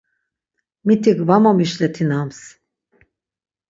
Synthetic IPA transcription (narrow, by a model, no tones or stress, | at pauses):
mit̪ʰikvamamiʃlɛt̪ʰinams